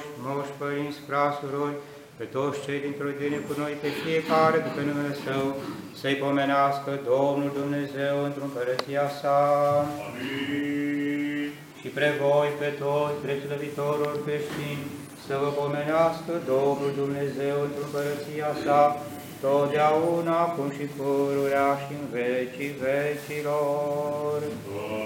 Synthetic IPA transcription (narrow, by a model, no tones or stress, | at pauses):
umoʃpəɾint̪sʲfɾasuɾorʲ | pe̞t̪o̞t̪sʲt͡ʃejd̪int̪ɾojd̪enekuno̞jpe̞fie̞kaɾe̞d̪epenumele̞səwsəjpo̞me̞neaskəd̪omnuld̪umne̞ze̞wɨnt̪ɾumpəɾət̪sijasa | ʃipɾevojpe̞t̪ot̪sʲb̪ɾesuləvit̪oɾuorkɾeʃt̪inʲ | səvəpome̞neaskəd̪o̞mnuld̪umne̞ze̞wɨnt̪ɾumpəɾət̪sijasa | t̪ot̪d̪eaunaːkumʃipuɾuɾeaʃiɨnvet͡ʃivet͡ʃilo | r